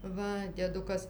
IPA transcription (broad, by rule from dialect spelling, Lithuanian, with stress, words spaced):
ˈʋɐ dʲiɛˈdʊkɐs